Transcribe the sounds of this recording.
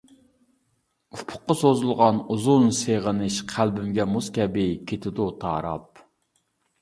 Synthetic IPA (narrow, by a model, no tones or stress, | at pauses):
upʰʊ̥qːɑsozulˠʁɑnuzunseʁənɨʃqʰælbɪmɡʲɛmuskʲɛbɪkʲʰet̪ʰɪd̪ut̪ʰɑ̰ːɾɑ̰p̚